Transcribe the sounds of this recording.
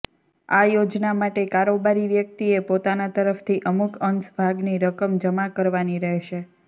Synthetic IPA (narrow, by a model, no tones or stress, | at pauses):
ajod͡ʒnamaʈekaɾobaɾiʋjək̚t̪iepot̪anat̪əɾəft̪ʰiʔəmukənsbʱaɡniɾəkəmd͡ʒəmakəɾʋaniɾəɦʃe